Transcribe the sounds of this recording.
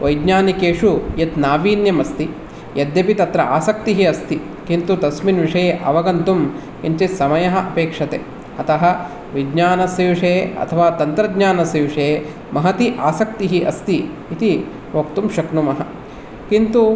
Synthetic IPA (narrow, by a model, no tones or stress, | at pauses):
ʋɐjɡɲaːnikeːʂujɐt̪naːʋiːnjɐmɐst̪i | jɐd̪jɐpit̪ɐt̪ɾɐaːsɐk̚t̪iɦiɐst̪i | kint̪ut̪ɐsminʋiʂɐjeːʔɐʋɐɡɐnt̪um | int͡ʃesɐmɐjɐɦɐ̆ʔɐpeːkʂɐt̪ḛ | ɐt̪ɐɦɐ̆ | ʋiɡɲaːnɐsjɐʋiʂeɐ̰t̪ʰɐʋaːt̪ɐnt̪ɾɐd̪ɲaːnɐsjɐʋiʂe | mɐɦɐt̪iʔaːsɐk̚t̪iɦiʔɐst̪iː | t̪i | ʋokt̪umʃɐknumɐɦɐ | kint̪u